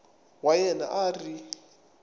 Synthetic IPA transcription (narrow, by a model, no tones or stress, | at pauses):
wajɛna̰ʔari